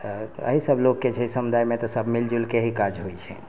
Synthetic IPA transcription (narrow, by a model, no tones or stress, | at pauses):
ə̰ɦisəbʱlokːet͡ʃʰɛsəmud̪ʱajmet̪ɔsəbʱmild͡ʒulkeɦikad͡ʒɦojt͡ʃʰɛ̰